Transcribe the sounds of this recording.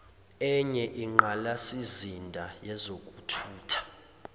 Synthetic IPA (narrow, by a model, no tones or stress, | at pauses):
ɛɲɛʔiŋ͡ǃalasizindʱajɛzokʼutʰuːtʰḁ